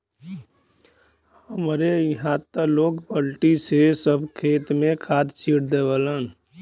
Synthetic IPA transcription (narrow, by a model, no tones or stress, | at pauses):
həmɾejəɦãt̪əloːkpəlʈisesəbʱkʰeːt̪mẽkʰaːd̪t͡ʃiːɽd̪eʋələn